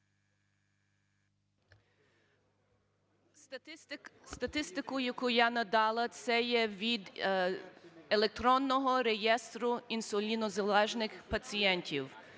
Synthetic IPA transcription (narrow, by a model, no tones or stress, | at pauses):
st̪ɐt̪ɪst̪ɪkʊjɐkʊjanɐd̪ɑlˠɐt̪sɛjɛʋʲid̪ | elˠek̚t̪ɾɔnːɔɦɔɾejɛst̪ɾʊinsʊlʲinɔzɐlˠɛʒnɪxpɐt͡sʲijɛnʲtʲiw